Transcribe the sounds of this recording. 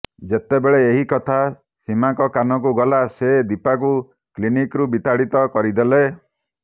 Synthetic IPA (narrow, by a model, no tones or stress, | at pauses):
d͡ʒet̪ebeɭeːɦikɔt̪ʰa | simaŋkɔkanɔk̬uɡɔlased̪ipak̬u | klinikɾubit̪aɽit̪ɔkɔɾid̪ele